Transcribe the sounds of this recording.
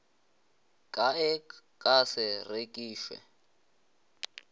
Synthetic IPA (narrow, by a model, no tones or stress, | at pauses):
kʼaɛkʼasɛrekʼiːʃwɛ̰